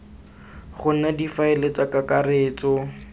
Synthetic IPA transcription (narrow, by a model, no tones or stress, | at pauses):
χʊnadifaɪlet͡sakakareːt͡sɔ